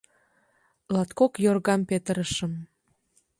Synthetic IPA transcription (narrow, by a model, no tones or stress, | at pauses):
lɑt̪kokjorɣɑmpet̪əɾəʃəm